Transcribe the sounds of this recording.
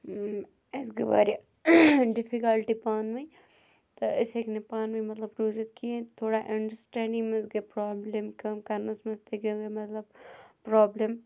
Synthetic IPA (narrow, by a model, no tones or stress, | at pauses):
esɡeʋa̰ːɾ | ɖɪfʰikɐlʈipaːnʋɐi | t̪oɪseknepaːnʋɐmɐt̪ləbɾuːd͡ʒət̪kiẽt̪ʰoːɽaʔɐ̃ɳɖəɾsʈɛ̃ːɳɖɪ̃ŋmẽsɡepɾaːblemkɐmkɐɾnɐsmɐ̃t̪eɡeɡemɐt̪ləb̚pɾɔːblem